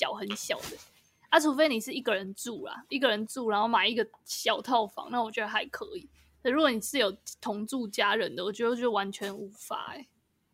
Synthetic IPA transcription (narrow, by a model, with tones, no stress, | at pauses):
jɑ˨˩ʊxə˧˦nɕjɑ˨˩ʊd̪ə˦ | a˥˩ʈ͡ʂʰu˧˥fe˥ɪni˨˩ʂɻ̩˥˩i˥˩ɡə˨ɻə˨˦nt͡su˥˩la̰˨˩i˥˩ɡə˨˩ɻə˧˦nt͡su˥˨ɻa˧˥nxo˥˩ʊma˨˩i˦˩ɡə˨ɕjɑ˨˩ʊt̪ʰɑ˥˨ʊfɑ̰˨˦ŋna˥˩wɔ˨˩t͡ɕɥɛ˧˦d̪ə˧xa˧˥ɪkʰɤ˧˦i˨˦ | k̪ʰə˧˩˥ɻu˧˥ɡo˧˦ni˨˩ʂɻ̩˥˩˨jo˨˩ʊt̪ʰʊ˧˥ŋt͡su˥˨t͡ɕja˥ɻə˨˦nd̪ə˨wɔ˨˩t͡ɕɥt͡ɕo˥˩wa˧˦nt͡ɕʰɥɛ˧˦nu˧˥fa̰˧˦ɛ̰˨˩˦